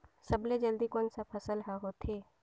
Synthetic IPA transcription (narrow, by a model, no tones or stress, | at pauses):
səbled͡ʒəld̪ikoːnsapʰəsəlɦaɦot̪ʰeː